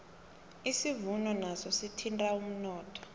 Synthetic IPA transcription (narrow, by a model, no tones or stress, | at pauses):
isivunɔnasɔsitʰintʼaum̩nɔːtʰɔ̥